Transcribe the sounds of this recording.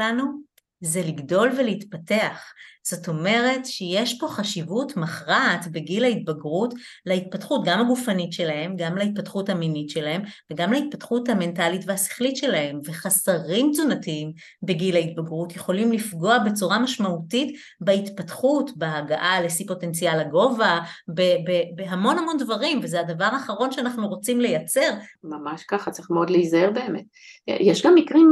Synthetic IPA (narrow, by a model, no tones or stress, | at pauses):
anu | zeliɡdo̞lveleitpate̞aχz̥o̞to̞me̞ʁe̞tʃejeʃpo̞χaʃivutmaχʁatbeɡilait̚baɡʁut | lait̚patχutɡamlaɡufanitʃe̞lahe̞mɡamlait̚patχuthaminitʃelahe̞mve̞ɡamlait̚patχuthame̞ntalitveasi̥χlitʃe̞lahe̞mve̞χasaʁimt͡sunatiim | beɡilait̚baɡʁutjeχo̞limlifɡo̞abe̞t͡suʁamaʃmautit | bait̪patχutbeːɡaʔalesipo̞te̞nt͡sijalaɡo̞vabebebeɦamo̞nhamo̞ndvaʁimvezeadavaʁaːχaʁo̞nʃeanaχnuʁo̞t͡simle̞jat͡se̞ʁmamaʃkaχat͡saʁiχmeodleizaheʁbe̞ːmet | jɛʃɡamːikʁim